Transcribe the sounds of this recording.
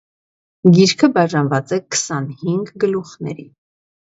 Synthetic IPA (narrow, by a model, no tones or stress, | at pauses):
ɡiɾkʰəbɑʒɑnvɑt͡sɛkʰə̥sɑnhiŋɡɡəluχnɛ̰ɾḭ